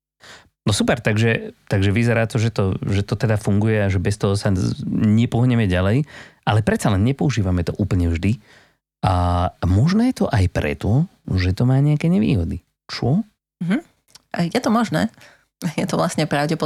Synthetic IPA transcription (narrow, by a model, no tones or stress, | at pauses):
nɔsupɛɾt̪aɡʒɛt̪aɡʒɛʋizɛɾaːt̪ɔʒɛt̪ɔʒɛt̪ɔt̪ɛd̪afuŋɡujɛaʒɛbɛst̪ɔɦɔsaɲɛpɔɦɲɛmɛɟalɛjʔalɛpɾɛt̪st͡salɛnɲɛpɔuʒiːʋamɛt̪ɔʔuːpl̩ɲɛvʒd̪i | amɔʒnɛːjɛt̪ɔʔajpɾɛ̰t̪ɔ | ʒɛt̪ɔmaːɲɛakɛːɲɛʋḭːɦɔd̪i | t͡ʃɔ | ɦm̩ | jɛt̪ɔmɔʒnɛ̰ː | jɛt̪ɔʋlasɲɛpɾaʊɟɛpɔ